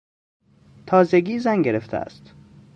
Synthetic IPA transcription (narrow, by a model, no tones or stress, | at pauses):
t̪ʰɒːzeɡiːzæŋɟeɾeft̪ʰḛæ̰st̪